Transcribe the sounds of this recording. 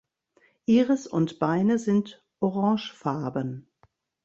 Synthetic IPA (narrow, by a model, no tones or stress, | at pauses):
ʔiːʁəsʊ̰ntb̥aɪnəzɪnt | ʔoʁɑ̃ːʃfaɐbən